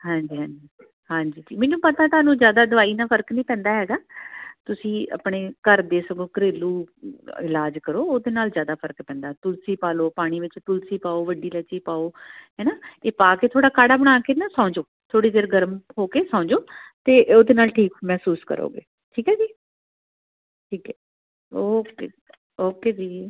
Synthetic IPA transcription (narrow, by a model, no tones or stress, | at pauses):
ɦãːɲd͡ʒiːɦãːɲd͡ʒiː | ɦãːɲd͡ʒiːʈiːmɛ̃ːnũːpət̪ãːt̪ʊaːnũːzjaːd̪aːd̪əʋaːiːnaːpʰəɾknĩːpɛ̃ːnd̪aːɦɛːɡaːt̪ʊsĩːə̰pɳeːkəɾd̪eːsəkoːkəɾeːluːɪlaːd͡ʒkəɾoːoːd̪eːnaːlzjaːd̪aːpʰəɾkpɛ̃ːnd̪aːt̪ʊlsiːpaːloːpaːɽ̃iːʋɪt͡ʃt̪ʊlsiːpaːoːʋəɖiːlɛːt͡ʃiːpaːoːɦɛːnaːeːpaːkeːt̪ʰoːɽaːkaːɽaːbəɽ̃aːkeːnaːsãʊɲd͡ʒoːt̪ʰoːɽiːd̪eːɾɡəɾəmɦoːkeːsãːɲd͡ʒoːt̪eːʔoːd̪eːnaːlʈʰiːkmɛːsuːskə̰ɾo̰ːɡḛː | ʈʰiːkɦɛːd͡ʒiː | ʈʰiːkɛː | oːkeː | oːkeːd͡ʒiː